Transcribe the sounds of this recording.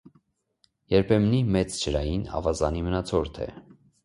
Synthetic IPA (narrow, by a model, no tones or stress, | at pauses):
jɛɾpʰɛmnimɛt͡st͡ʃʰəɾɑjinɑ̰vɑzɑnimənɑt͡sʰɔɾt̪ʰɛ̰